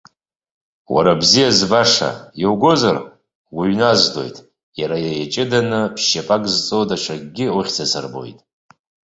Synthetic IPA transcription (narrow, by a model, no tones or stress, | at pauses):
wa̰ɾabzijazbaʂa̰jowɡo̞zar | ɡʷaɥnazdo̞̰jtʼ | jaɾajajat͡ʃʼɪdanɨpʰʃapʼakʼzt͡sʼowdat͡ʃʷʰaɡʼɡʲɪuχʲt͡sʰasʰa̰rbo̞̰jtʼ